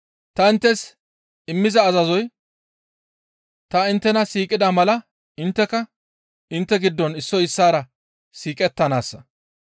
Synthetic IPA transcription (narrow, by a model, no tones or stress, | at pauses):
t̪ɐɪnt̪ːɛs | ɪmːɪzɐːzɐzɔj | t̪ɐɪnt̪ːɛnɐsiːkʼɪd̪amɐlɐ | ɪnt̪ːɛkɐ | ɪnt̪ːɛɡɪd̪ːɔnɪsːɔjɪsːaːɾɐ | siːkʼɛt̪ːɐnaːsːɐ